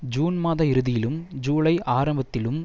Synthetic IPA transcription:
d͡ʒuːnmaːðɐɪɾɯðɪjɪlɯmd͡ʒuːɭɐɪʔaːɾɐmbɐt̪ːɪlɯm

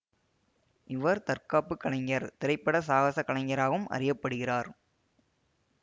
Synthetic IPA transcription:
ʔɪʋɐɾt̪ɐɾkaːpːɯkːɐɭɐŋɡɐɾt̪ɪɾɐɪpːɐɽɐsaːɣɐsɐkːɐɭɐŋɡɐɾaːɣɯmɐ̰rɪjɐpːɐɽɯɣɪraːɾ

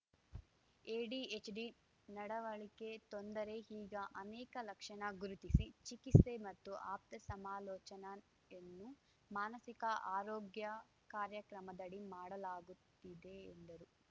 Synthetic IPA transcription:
eːɖiet͡ʃɖi | nɐɽɐʋɐɭike̞t̪ond̪ɐɾe̞ɦiːɡɐʔɐnɛːkɐlɐkʂɐɳɐɡuɾut̪isit͡ʃikise̞mɐt̪ːuʔaːp̚t̪ɐsɐmaːlɔːt͡ʃɐnɐ | enːu | maːnɐsikɐʔaːɾoːɡjɐ | kaːɾjɐkɾɐmɐd̪ɐɽimaːɽɐlaːɡut̪ːid̪ḛːnd̪ɐɾu

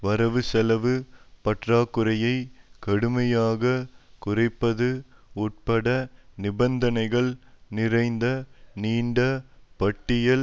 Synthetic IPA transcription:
ʋɐɾɐʋɯsɛlɐʋɯpɐʈraːkːɯɾɐjɐɪkɐɽɯmɐjaːɣɐkʊrɐɪpːɐðɯuːʈ̚pɐɽɐnɪbɐnd̪ɐnɐɪɣɐɭnɪrɐɪnd̪ɐniːɳɖɐpɐʈːɪjɐl

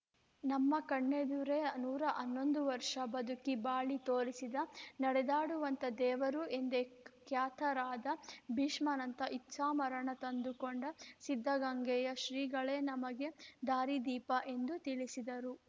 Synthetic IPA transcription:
nɐmːɐkɐɳːed̪uɾe̞nuːɾɐʔɐnːo̞nd̪uʋɐɾʂɐbɐd̪ukibaːɭit̪oːɾisid̪ɐnɐɽɛd̪aːɽuʋɐnt̪ɐd̪ɛːʋɐɾuʔe̞nd̪e̞kjaːt̪ʰɐɾaːd̪ɐbʱiːʂmɐnɐnt̪ɐʔitːʃaːmɐɾɐɳɐt̪ɐnd̪ukoɳɖɐsid̪ʱːɐɡɐŋɡɛjɐʃɾiːɡɐɭe̞ːnɐmɐɡe̞d̪aːɾid̪iːpɐʔe̞nd̪ut̪iɭisid̪ɐɾu

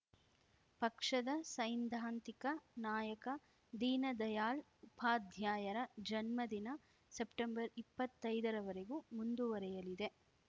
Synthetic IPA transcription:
pɐkʂɐd̪ɐsɐjnd̪ʱaːnt̪ikɐnaːjɐkɐ | d̪iːnɐd̪ɐjaːl | upʰaːd̪ʱjaːjɐɾɐd͡ʒɐnmɐd̪inɐ | sepʈembɐɾipːɐt̪ːɐjd̪ɐɾɐʋɐɾeɡumund̪uʋɐɾɛjɐlid̪e̞

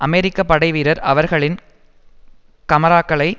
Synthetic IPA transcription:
ʔɐmeːɾɪkːɐpːɐɽɐɪʋiːɾɐɾɐʋɐɾɣɐɭɪn | kɐmɐɾaːkːɐɭɐɪ

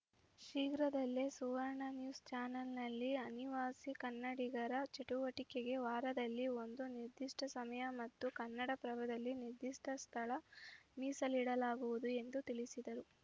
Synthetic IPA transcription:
ʃiːɡɾɐd̪ɐlːesuʋɐɾɳɐnjuːst͡ʃaːnɐlnɐlːiɐniʋaːsikɐnːɐɽiɡɐɾɐt͡ʃiʈuʋɐʈikeɡe̞ʋaːɾɐd̪ɐlːio̞nd̪uniɾd̪iʂʈɐsɐmɐjɐmɐt̪ːukɐnːɐɽɐpɾɐʋɐd̪ɐlːiniɾd̪iʂʈɐst̪ʰɐɭɐmiːsɐliɽɐlaːɡuʋud̪ue̞nd̪ut̪iɭisid̪ɐɾu

